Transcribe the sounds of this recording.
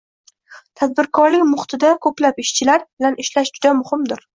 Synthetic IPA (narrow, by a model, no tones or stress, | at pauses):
t̪ʰad̪̚bɪɾkʰɒɾlɪkʲmʊχt̪ʰɪd̪akʰɵplapɪʃt͡ʃʰɪlaɾbɪlanʔɪʃlaʃd͡ʒʊd̪amʊhɪmd̪ɪɾ